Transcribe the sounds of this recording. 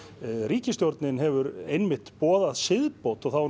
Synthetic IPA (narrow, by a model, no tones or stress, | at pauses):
ɾiːcɪst̪jowɾt̪nɪnɦɛvʏɾejnmɪht̪pɔːðaðsɪðpowt̪ɔɣθaw